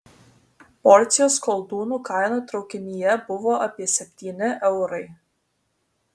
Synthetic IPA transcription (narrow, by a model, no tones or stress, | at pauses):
pɔɾʲt̪sʲɪjoːskɔlˠd̪uːnuːkɐɪnuːt̪ɾɒʊkʲɪnʲijɛbʊʋoːʔɐpʲiɛsʲɛpʲt̪ʲiːnʲɪʔɛʊɾɐɪ